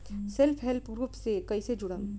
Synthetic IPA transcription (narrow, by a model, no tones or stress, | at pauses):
sɛlpʰɦɛlpɡɾuːpsekɐised͡ʒʊɽəm